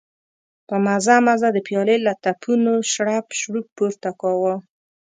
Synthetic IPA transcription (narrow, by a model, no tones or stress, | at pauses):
pəmazamazad̪əpjɑlelat̪apʰunoʃɽapʃɽuk̚puɾt̪akɑwa